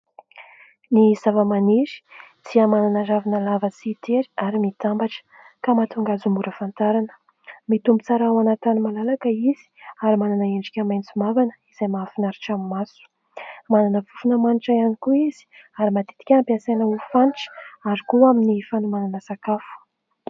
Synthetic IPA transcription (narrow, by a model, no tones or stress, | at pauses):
nizavəmaniɾi̥ | t͡siamananaravanəlavət͡siːt̪eɾi̥aɾimit̪ambaʈ͡ʂə̥ | kamat̪uŋɡazumbuɾəfant̪aɾanə̥ | mit̪umbut͡saɾaawanat̪animalalakəiz̥i̥aɾimananəeɳɖ͡ʐikʲəmajnt͡simavanə̥iz̥ajmafinaɾiʈ͡ʂamimasu̥ | mananəvufunəmaniʈ͡ʂaanikuiz̥i̥aɾimat̪i̥t̪i̥kʲampasenəufaniʈ͡ʂə̥aɾikuaminifanumananəsakafu̥